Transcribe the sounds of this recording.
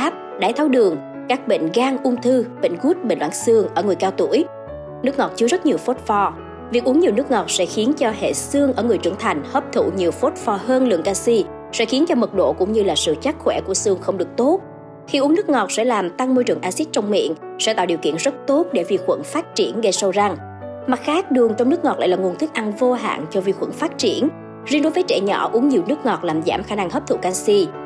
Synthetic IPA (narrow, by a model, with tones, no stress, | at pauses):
aː˦˥p̚ | ɗaː˨˦jt̪ʰaː˨˦wɗɨ˨˩əŋ | kaː˦˥k̚ɓḭ˧˨ŋ̟ɣaː˧ŋʔʊ˧ŋ͡mt̪ʰɨ˧ɓḭ̈˧˨ŋ̟ɣu˦˥t̚ɓï˧˩ŋ̟lwa̰ː˧˦nsɨ˧əŋʔəː˧˩ŋɨ˨˩əjkaː˧wt̪u˧˩əj | nɨ˦˥ək̚ŋɔ˨˩t̚t͡ɕɨ˧əzə˦˥t̚ɲi˨˩əwfo˦˥t̚fɔ˧ | vi˨˩k̚ʔu˨˦əŋɲi˨˩əwnɨ˦˥ək̚ŋɔ˨˩t̚sɛ̰˧˥xi˨˦ənt͡ɕɔ˧hḛ˧˨sɨ˧əŋʔəː˧˩ŋɨ˨˩əjt͡ɕɨ̰˧˩ŋt̪ʰa˨˩jŋ̟həː˦˥p̚t̪ʰṵ˧˨ɲi˨˩əwfo˦˥t̚fɔ˧ɦəː˧nlɨ̰˧˨əŋkaː˧si˧ | sɛ̰˧˥xi˨˦ənt͡ɕɔ˧mɨ˨˩k̚ɗo̰˧˨kʊ̰˧˥wŋ͡mɲɨ˧laː˨˩sɨ̰˧˨t͡ɕa˦˥k̚xwɛ˧˩ku˧˩əsɨ˧əŋxə˧wŋ͡mɗɨ˨˩ək̚t̪o˦˥t̚ | xi˧ʔu˨˦əŋnɨ˦˥ək̚ŋɔ˨˩t̚sɛ̰˧˥laː˨˩mt̪a˧ŋmo˧jt͡ɕɨ˨˩əŋʔaː˧si˦˥t̚t͡ɕɔ˧wŋ͡mmḭ˧˨ən | sɛ̰˧˥t̪a̰˧˩ɗi˨˩əwkḭ˧˨ənzə˦˥t̚t̪o˦˥t̚ɗe˧˩vi˧˩xwə̰˧˩nfaː˦˥t̚t͡ɕi˧˩ənɣə˧jsə˧wza˧˩ŋ | ma˨˩t̚xaː˦˥k̚ɗɨ˨˩əŋt͡ɕwŋ͡mnɨ˦˥əkŋɔ˨˩la̰ː˧˨lːŋu˨˩ənt̪i˦˥k̚ʔa˧nvo˧ɦa̰ː˧˨nt͡ɕɔ˧vi˧˩xwə̰˧˩nfaː˦˥t̚t͡ɕi˧˩ən | zi˧nɗo˨˦jvəː˨˦jt͡ɕɛ̰˧˩ɲɔ̰˧˩ʔu˨˦əŋɲi˨˩əwnɨ˦˥ək̚ŋɔ˨˩t̚laː˨˩mza̰ː˧˩mxaː˧˩na˧ŋhə˦˥p̚t̪ʰṵ˧˨kaː˧si˧